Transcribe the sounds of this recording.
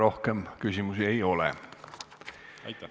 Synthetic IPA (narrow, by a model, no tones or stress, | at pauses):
ɾo̞hkemkysʲimusie̞jo̞lɛ̰